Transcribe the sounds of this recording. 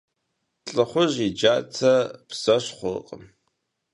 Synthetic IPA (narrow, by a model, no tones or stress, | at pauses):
ɬʼɨχʷʊʑid͡ʒaːt͡sʰɐpz̥ɐɕχʷʊqʼəm